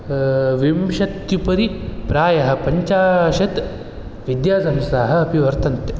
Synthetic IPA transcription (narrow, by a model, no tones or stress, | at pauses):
ʋimʃɐt̪jupɐɾipɾaːjɐɦɐ̆pɐɲt͡ʃaːʃɐt̪ | ʋid̪jaːsɐmsaːɦɐɐpiʋɐɾt̪ʰɐnt̪e